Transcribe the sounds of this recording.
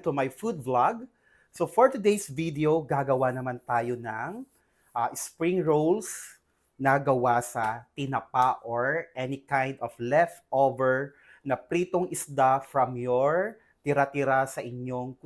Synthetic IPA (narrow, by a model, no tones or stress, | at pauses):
t̪umajfud̪̚vlaɡ̚ | sofoɹt̪ʊd̪ejsvid̪ɛoɡaɡɐwanɐmant̪aːjonɐŋ | ʔɐʔɪspɹĩŋɹowls | nɐɡɐwasɐt̪ɪnapaʔoɹʔɛnikãjnd̪ɔflɛft̪ʔovɛɹ | nɐpɾiːt̪oŋʔɪsd̪afɹɐmjoɹ | t̪ɪɾat̪ɪɾasɐʔɪɲoŋk